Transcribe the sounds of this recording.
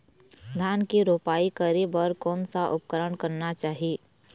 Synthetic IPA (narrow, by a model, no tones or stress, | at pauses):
d̪ʱaːnkiɾoːpaːikəɾibəɾkɔːnsaʔʊp̚kəɾəɳkəɾnat͡ʃaːɦieː